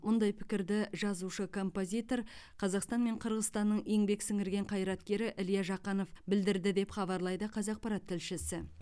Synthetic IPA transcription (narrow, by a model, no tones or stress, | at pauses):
wo̞nd̪ɑjpʰɪ̥kʲɪɾd̪ɪʒɑzuʃəkʰo̞mpo̞zʲijt̪o̞ɾqʰɑzɑqst̪ɑnme̞ɴqʰəɾʁəzt̪ɑnːəɴe̞ŋbe̞ksɪŋɪɾɡʲe̞ɴqʰɑjɾɑt̪kʲe̞ɾɪʔɪljɑʒɑqɑno̞fbɪld̪ɪɾd̪ɪd̪e̞pχɑbɑɾlˠɑjd̪əqʰɑzɑq̚pɑɾɑt̪ʰːɪlʃɪsɪ